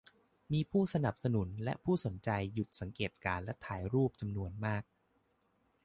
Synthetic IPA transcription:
miː˧pʰuː˥˩sa˧na˨˩p̚sa˧nu˩˦nlɛ̰˦˥ʔpʰuː˥˩so˩˦nt͡ɕa˧jːu˨˩t̪̚sa˩˦ŋkeː˨˩t̪̚kaː˧nlɛ˦˥t̪ʰaː˩˦jɾuː˥˩p̚t͡ɕa˧mnu˧ənmaː˥˩k̚

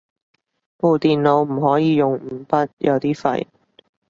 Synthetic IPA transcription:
po˨˧wt̪iː˨nlo˨˧wm̩˨˩ɦɔː˨˥jiː˨˧jʊ˨ŋm̩˨˧˩pɐ˥t̚jʔɐ˨˧wt̪iː˥fɐ̰˨˧j

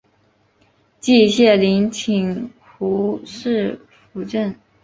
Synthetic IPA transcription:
t͡ɕi˥˧ɕjɛ˥˩li˧˥ŋt͡ɕʰi˨˩ŋ | xu˧˥ʂɻ̩˥˩ | fu˧˥ʈ͡ʂə˥˩n

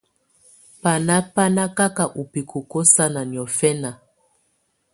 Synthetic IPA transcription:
pa˨na˦pa˦na˦ka˦ka˨ʔu˨pi˨kʰu˨kɔ˦sa˦na˨n˨ɔ˨fɛ˦na˨

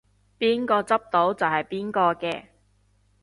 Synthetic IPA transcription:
piː˥nkɔː˧t͡sɐ˥p̚t̪o˨˥wt͡sɐ˨wɦɐ˨jpiː˥nkɔː˧kɛː˧

